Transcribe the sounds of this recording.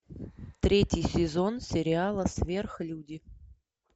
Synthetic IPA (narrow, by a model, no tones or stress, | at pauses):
t̪ɾʲetʲjɪjsʲɪzo̞nsʲɪɾʲɪalˠəsʲvʲe̞rxlʲudʲɪ